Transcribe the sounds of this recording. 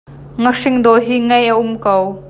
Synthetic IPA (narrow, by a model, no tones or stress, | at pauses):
ŋəʂɪŋd̪ɔɦiːŋɐjʔaʔʊmkow